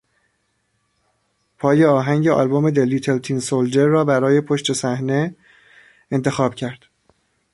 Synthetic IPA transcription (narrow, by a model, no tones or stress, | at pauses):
pʰɒːje̞ɒːɦæŋɟe̞ʔɒ̰ːlbome̞d̪eliːt̪ʰelt̪ʰiːnsold͡ʒeɾːɒːbæɾɒːje̞pʰoʃt̪e̞sæhne̞ | ent̪ʰe̞xɒːb̥cʰæɾd̪̥